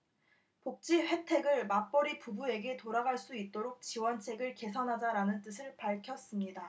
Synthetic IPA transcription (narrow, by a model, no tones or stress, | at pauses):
pok̚t͡ɕ͈iɸwe̞tʰe̞ɡɯɭmap͈ʌɾipubue̞ɡe̞toɾaɡaɭs͈uit̚t͈oɾok̚t͡ɕiwʌnt͡ɕʰe̞ɡɯɭke̞sʰʌnɦad͡ʑaɾanɯnt͈ɯsʰɯɭpaɭkʰjʌs͈ɯmɲida